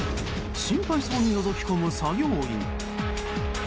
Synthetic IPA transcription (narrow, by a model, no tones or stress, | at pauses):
ɕĩmpaiso̞ːɲ̟ino̞zo̞kʲi̥komɯ̟saɡʲooːḭn